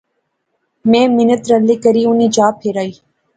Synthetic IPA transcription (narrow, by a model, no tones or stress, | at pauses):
mɛ̃ːmɪnət̪ɾənlːikəɾiːʊniːd͡ʒaːpʰɪɾaːiː